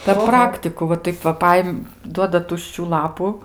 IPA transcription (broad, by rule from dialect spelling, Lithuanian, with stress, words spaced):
pʲɛr ˈprɑːktʲɪkʊ ʋɐ ˈtɐɪp ʋɐ ˈpɐɪm ˈduɔdɐ ˈtʊʃʲt͡ʃʲuː ˈlˠɑːpʊ